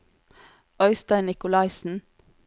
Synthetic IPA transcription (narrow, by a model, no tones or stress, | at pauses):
œʏst̪æɪnɪkʊlɑɪsn̩